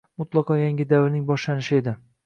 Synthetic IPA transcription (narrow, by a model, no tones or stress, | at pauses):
mʊt̪lˠɑqʰɒjaŋʲɪd̪avɪɾnɪŋbɒʃlanɪʃɪe̞d̪ɪ